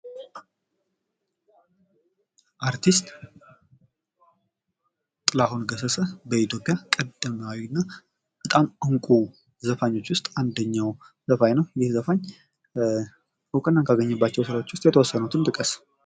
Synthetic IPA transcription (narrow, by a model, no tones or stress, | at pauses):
ʔaɾt̪ʰist̪ʼ | t̪ʼɨlahunɡəsəsəbəit̪ʰjopʼjakʼəd̪ɨmawinːa | b̥ət̪ʼamɨŋkʷʼu | zəfaɲːo̞t͡ʃːwʊst̪ʼand̪əɲːaw | zəfajnəwjɪhzəfaɲː | hɨkʼənːakʰaɡəɲːɛbːat͡ʃːɛwsɨɾawo̞t͡ʃːwʊst̪ʼjɛt̪ʰəwɔsːənut̪ʰɨnt̪ʼɨkʼəs